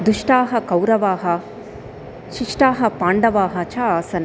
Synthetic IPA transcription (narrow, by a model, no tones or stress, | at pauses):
d̪uʂʈaːɦɐkɐwɾɐʋaːɦɐ | ʃiʂʈaːɦɐpaːɳɖɐʋaːɦɐt͡ʃʰaaːsɐnɐ